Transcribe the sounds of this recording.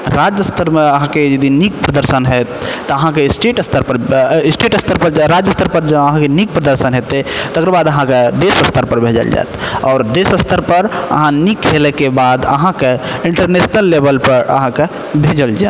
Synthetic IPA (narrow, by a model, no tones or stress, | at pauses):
ɾad͡ʒəst̪ʰəɾmeəɦãked͡ʒəd̪inik̚pɾəd̪əɾsənɦɛt̪ːɔəɦãkesʈeʈəst̪ʰəɾpəɾsʈeʈəst̪əɾpəɾɾad͡ʒəst̪ʰəɾpəɾd͡ʒəəɦãkenik̚pɾəd̪əɾsənɦet̪et̪əkɾəbad̪əɦãked̪esəst̪ʰəɾpəɾbʱed͡ʒə̰ld͡ʒa̰ḛt̪ɔːɾd̪esəst̪ʰəɾpəɾə̰ɦãnikɦelɛkebad̪ə̰ɦãkeiɳʈəɾnesnəlːebəlpəɾə̰ɦãke | bʱed͡ʒəld͡ʒaet̪